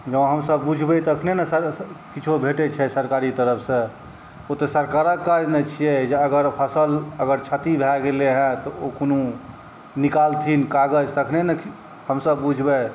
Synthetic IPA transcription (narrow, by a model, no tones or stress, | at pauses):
d͡ʒə̃ɦəmsəbːud͡ʒʱbɛt̪ɔəkʰnenɛsəɾkit͡ʃʰobʱeʈɛt͡ʃʰɛsəɾkaɾit̪əɾəpʰsə̃ | ot̪esəɾkaɾəkːad͡ʒnɛt͡ʃʰijɛd͡ʒeəɡəɾpʰəsələɡəɾt͡ʃʰət̪ibʱɛɡeleɦɛ̃t̪ɔokonu | nikalt̪ʰinkaɡəd͡ʒt̪əkʰnenɛ | həmsəbbud͡ʒʱbɛ